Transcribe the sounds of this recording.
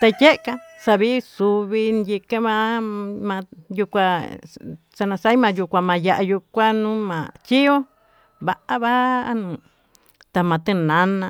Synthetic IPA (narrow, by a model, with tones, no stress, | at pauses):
t̪a˧je˦ʔka˧sa˧βi˦su˧βi˧nd̪i˧ke˦mã˧mã˧ju˧kʷa˧ | sa˧nã˧sa˦i˦mã˧ju˧kʷa˧mã˧ja˧ʔa˧ju˧kʷa˦nũ˦mã̰˨t͡ʃi˦o˦ | βa˧ʔa˦βa˦nũ˨ | t̪a˧mã˨˧t̪ɨ˦˧˨nã˨˦nã˧